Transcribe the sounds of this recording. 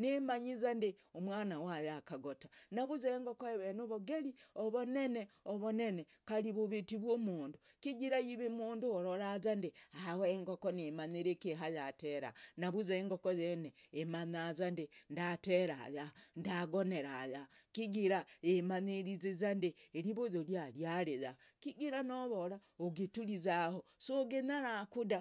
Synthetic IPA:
nemaɲizande | omwaːnawajakaɡotanaβuzeeŋɡokoeβenoβoɡeɾioβoneneoβonenekaliβuβitiβwoːmuːndukiɡiɾajiβemuːnduoɾoɾazandeawoeŋɡokonemaɲiɾekeɦajateɾa̰naβuzaeŋɡokojeneemanazandendateɾajandaɡoneɾajakiɡiɾaemaneɾizezandeːɾiβoðoljaɾjaɾeðakiɡiɾanoβoɾaoɡetuɾizahosoɡenaɾakuda

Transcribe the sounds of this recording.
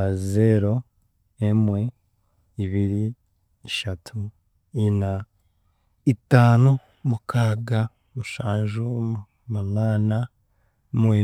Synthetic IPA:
azeɾo̞ | emwe̞ | iβiɾi | iʃatʰu | ina | itaːno | mukʰaːɡa | muʃaːnʒu | munaːna | mwe

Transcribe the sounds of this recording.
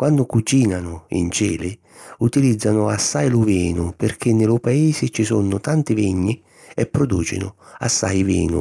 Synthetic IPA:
kwanːʊkut͡ʃiːnanʊḭnt͡ʃɛːlɪ | ut̪ilid̪zːanʊasːajlʊvɛːnʊpɪrkʰenːɪlʊpaeːzɪt͡ʃisɔnːʊt̪ant̪ɪviɲːi | ɛpːɾod̪uːt͡ʃɪ̰nʊ̰a̰sːa̰jvḭːnʊ̰

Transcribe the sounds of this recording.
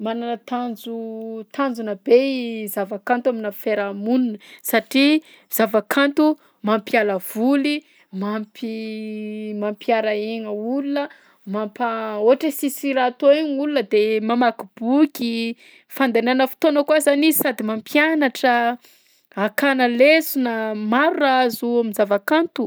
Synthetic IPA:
mananət̪and͡zut̪and͡zunəbezavakant̪uaminəfeɾamununəsaʈ͡ʂi | z̥avakʰant̪u | mampialəv̥uli | mampi | mampjaɾaeɲəulunə | mampaoaʈ͡ʂəsisiɾat̪oeɲulunəd̪emamakub̥ukʲi | fand̪ananəfi̥t̪onəkuazanizisad̪imampjanaʈ͡ʂə | akanəlesunamaɾuraazuaminzavakant̪u

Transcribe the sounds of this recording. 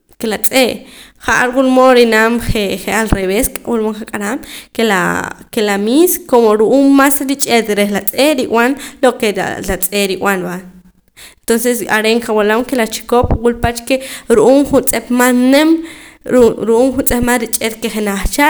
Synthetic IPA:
kelat͡sʼeʔχaʔaɾwulmoɾinamχeχealɾeβeskʼawulmoŋχakʼaɾamkela̰kelamiskomoɾuʔuːmːasɾit͡ʃʼet̪ɾexlat͡sʼeʔɾiwanlokelat͡sʼeɾiwanban | ent̪onsesʼaɾeŋkawalamkelat͡ʃi̥kopwulpat͡ʃkeɾuʔuːmχunt͡sʼepmanemɾɾuʔuːmχunt͡sʼemanɾit͡ʃʼet̪keχenaχt͡ʃa

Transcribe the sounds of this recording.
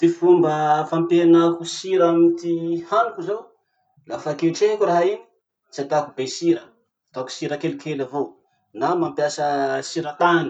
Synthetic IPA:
t̪ifumbəfampenakusiɾamit̪ihanukizow | lafakelʈ͡ʂekʲuraɦaini̥ | t͡sat̪akubesiɾə | t̪oku̥siɾəkelikelavo | namampjasəsiɾət̪ani̥

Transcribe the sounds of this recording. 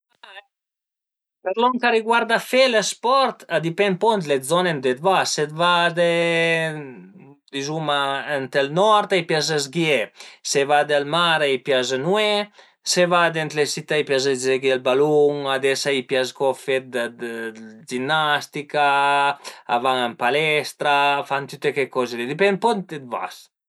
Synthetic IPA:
a | peɾlɔŋkaɾiɡwaɾd̪afelespɔɾt̪ad̪ipɛnpɔnt̪lezɔnend̪et̪vaset̪vad̪e | d̪izumaent̪elnɔɾt̪ajpjazezɡjesevad̪elmaɾajpjaznwe | sevad̪ent̪lesit̪ːajpjaz̬ed͡ʒeɡjelbaluŋad̪ɛsaipjaskɔfet̪̚d̪d̪d͡ʒinːast̪ika | avaŋampalɛst̪ɾafant̪yt̪ːekekɔzed̪ed̪ipɛnpɔnet̪va̰s

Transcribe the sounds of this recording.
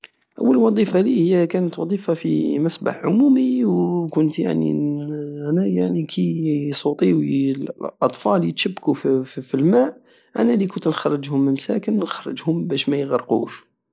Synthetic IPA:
ʔə̰wːəlwɑd̪ˤifalihəjːækænət̪wɑd̪ˤifafimæsba̰ħʕʊmumiwkʊnt̪ja̰ʕnḭʔænæjaʕnikʰisˤut̪ˤiwlʔɑt̪ˤfɑljət̪ʃəbːkuffilmæʔ | ʔænælikʊnt̪nxɑrˤːəd͡ʒhʊməmsæ̰kənnxɑrˤːəd͡ʒhʊmbæʃmæjɣəɾˤqṵʃ

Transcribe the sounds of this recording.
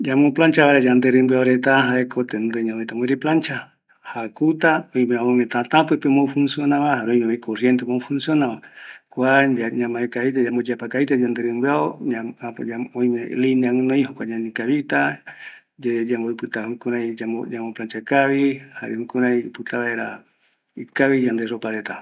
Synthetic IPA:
d͡ʒamõplant͡ʃaβaɾed͡ʒand̪eɾɨmbɨaoɾet̪aɦaekʰot̪end̪ɨɲãmet̪amoiɾiplant͡ʃa | hakut̪aojmẽaomẽt̪at̪ãpɨpemofunsjonãβahaɾojmemekʰoɾjent̪emõfunsjonãβakʷad͡ʒaɲãmãekait̪ad͡ʒambod͡ʒapakait̪ad͡ʒand̪eɾɨmbɨaoɲaaaojmeliniãɨ̃noj̃hokʷaɲãnĩkaβit̪a | d͡ʒad͡ʒamboɨpɨt̪ahukuɾãiaod͡ʒamoplant͡ʃakaβiha̰ɾehukuɾãjpɨt̪aβaeɾa | ikaβijand̪eʐopaɾet̪a

